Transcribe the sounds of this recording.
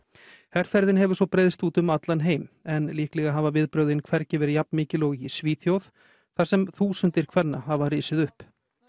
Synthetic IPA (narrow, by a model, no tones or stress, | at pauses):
hɛɾ̥fɛɾðɪnhɛvʏɾsvɔpɾejðst̪uːt̪ʏmat̪lanɦeːjmɛnliːhklɛɣaɦaːvavɪðpɾœːwðɪnkʰvɛɾcɪvɛɾɪjapnmɪːcɪlowɣisviːθjowð̥ | θasɛmθuːsʏnt̪ɪɾ̥kʰvɛnːahavariːsɪðʏhp